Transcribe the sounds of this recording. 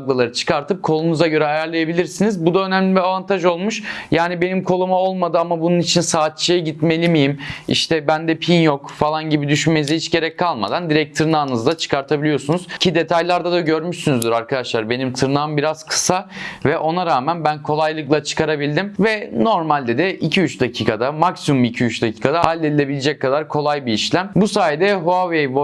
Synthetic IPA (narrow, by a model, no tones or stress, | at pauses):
ɡlˠalˠaɾɯt͡ʃʰɯ̥kaɾt̪ʰɯp̚kʰo̞lˠunuzaɟø̞ɾɛɦajæɾlˠajabilʲiɾsinizbud̪aø̞næmlʲibiavant̪ʰaʒo̞lˠmuʃjaːnibe̞nimkʰo̞lˠumao̞lˠmad̪ɯamabununit͡ʃʰinsaːt̪̚t͡ʃʰijɛɟit̪me̞lʲimijimḭʃt̪ʰɛbænd̪ɛpʰinjokfalˠanɟibid̪yʃynme̞nizihit͡ʃɟe̞ɾɛc̚kʰːalˠma̰d̪and̪iɾɛc̚t̪ʰɯɾɯnaːnɯzd̪at͡ʃʰɯ̥kʰaɾt̪ʰabilʲijo̞sunuz̥cʰid̪e̞t̪ʰajlˠaɾd̪ad̪aɟø̞ɾmyʃsynyzd̪yɾaɾkʰad̪aʃlˠaɾbe̞nimt̪ʰɯɾnaːɯmbiɾaz̥kʰɯ̥savɛʔo̞naɾaːmænbænkʰo̞lˠajlˠɯklˠat͡ʃʰɯ̥kaɾabilʲd̪imvɛno̞ɾmalʲd̪ɛd̪ɛʔicʰiyt͡ʃd̪acʰiːkʰad̪amaksimumicʰiyt͡ʃd̪acʰiːkʰad̪ahalʲːed̪ilʲe̞bilʲed͡ʒɛc̚kʰːad̪aɾkʰo̞lˠajbiiʃlʲæmbusaːjɛd̪ɛɦoavejvo